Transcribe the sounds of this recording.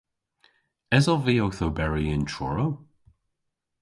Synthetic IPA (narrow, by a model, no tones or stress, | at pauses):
ɛzɔviowθobɛɹiɪ̃nt͡ʃʰɔ̰ɹow